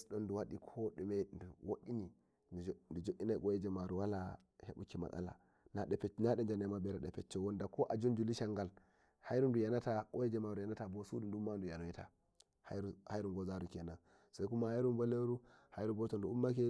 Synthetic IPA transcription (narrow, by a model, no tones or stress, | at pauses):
sɗonduwaɗikʰoɗumenduwoɗini | ndud͡ʒoʔinaɡojed͡ʒemaɾuwala | hḛɓṵkima̰ka̰la̰ | naɗɛpɛt͡ʃnaɗɛnd͡ʒanemabɛɾaɗɛpɛt͡ʃːowondakoʔad͡ʒund͡ʒuliʃaŋɡal | hajɾundujanatakojed͡ʒemaɾujanatabosudundumːandujanojeta̰ | haɾuhajɾuŋɡozaɾuknan | sakumahaiɾumboleɾuhajɾubɔtonduumːak̬e